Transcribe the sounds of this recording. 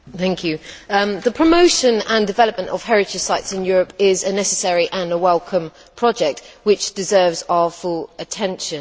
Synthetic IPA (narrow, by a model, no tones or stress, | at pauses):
θæ̃ŋkʰjʉ̃ðəpʰɹ̥əmoʊʃə̃nə̃ndɪvɛləp̚mə̃ntə̰v̥hɛɹɪt͡ʃəsaɪtsɪ̃njɔːɹəpɪzənɛsəsɛɹiʔə̃nəwɛlˠkʰə̃m | pʰɹ̥ɒd͡ʒɛk̚twɪt͡ʃd̥ɪzɜːvzaʊəfʊlətʰɛ̃nʃə̃n